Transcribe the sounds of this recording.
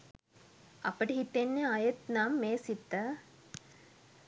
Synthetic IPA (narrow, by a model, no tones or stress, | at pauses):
apəʈəɦit̪ːenːeajet̪namːeːsit̪ːə